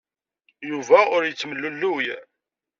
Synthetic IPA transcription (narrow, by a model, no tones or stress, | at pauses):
juvæʊɾjət͡sːməlːulːuj